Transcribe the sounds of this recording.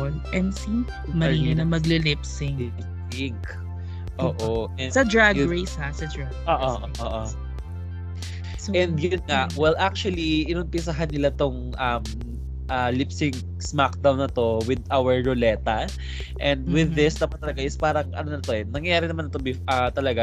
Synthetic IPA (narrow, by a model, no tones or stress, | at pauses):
lʔɛnsi | mɐinɐmɐɡlɪlɪpsɪŋɪpsɪŋk | ʔoːʔoɛsɐd̪ɹaɡɹejshasɐd̪ɹaɡoːʔooʔoʔo | ɛ̃nd̪ɡnŋawɛlʔak̚t͡ʃuɐliʔɪnʊmpɪsaɦɐnːɪlat̪oŋ | ʔɐm | ʔalɪpsɪŋ | smak̚d̪awnːɐt̪o̞wɪd̪ʔawɛɹːolɛt̪ɐ | ʔɛ̃nd̪̚wɪðːɪsd̪aːpɐt̪ːɐlɐɡaʔɪspaːɾɐŋʔɐ̰nonɐɐt̪o̞ɛnɐŋjɐjaːɾɪnɐmanːɐt̪obɪʔɐt̪ɐlɐɡa